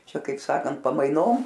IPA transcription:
ˈt͡ʃʲɛ kɐɪp ˈsɑːkɐnt pɐmɐɪˈnoːm

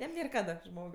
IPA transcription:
ˈjɛm ˈnʲeːr ˈkɑːdɐ ˈʒmoːk

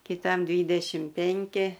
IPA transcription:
kʲɪˈtɐm ˈdʲʋʲiːdʲɛʃʲɪm ˈpʲɛŋʲkʲɪ

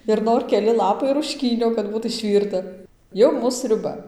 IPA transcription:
ɪr ˈnoːr kʲɛˈlʲɪ ˈlˠɑːpɐɪ rʊʃʲˈkʲiːnʲoː kɐt ˈbuːt ɪʃʲˈʋʲiːrtɐ ˈjɛʊ ˈmuːs sʲrʲʊˈbɐ

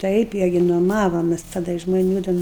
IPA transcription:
ˈtɐɪp ˈɪrʲɡʲɪ nuɔˈmɑːʋoːmʲɛs tɐˈdɐ ɪʃ ʒmoːˈnʲuː tʲɛn

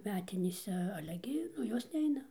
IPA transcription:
ˈmʲæːtʲɪnʲeːsʲɛ ˈɑːlʲɛ ɡʲɪ ˈnʊ ˈjoːs ˈnʲɛɪnɐ

